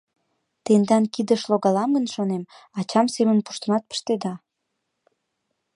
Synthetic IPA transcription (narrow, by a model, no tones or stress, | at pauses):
t̪end̪ɑnkid̪əʃloɣɑlɑmɡənʃonem | ɑt͡ɕɑmsemənpu̥ʃt̪ə̆nɑt̪̚pə̥ʃt̪ed̪ɑ